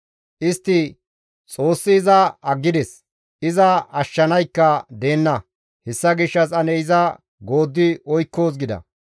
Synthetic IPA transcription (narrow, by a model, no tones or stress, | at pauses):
ʔɪst̪ːɪ | t͡sʼo̞ːsːɪːzɐɐɡːɪd̪ɛs | ɪzɐɐʃːɐnɐjkːɐd̪e̞ːnːɐ | hɛsːɐɡɪʃːɐsɐnɛjɪzɐ | ɡo̞ːd̪ːɪʔɔjkːo̞ːs̬ɡɪd̪ɐ̰